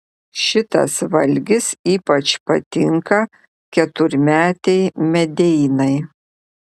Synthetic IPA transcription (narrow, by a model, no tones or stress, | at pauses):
ʃʲɪt̪ɐ̰sʋɐlʲɡʲɪsiːpɐt͡ʃpɐt̪ʲɪŋkɐ | kʲɛt̪ʊɾʲmʲæːt̪ʲɛɪmʲɛd̪ʲɛɪnɐɪ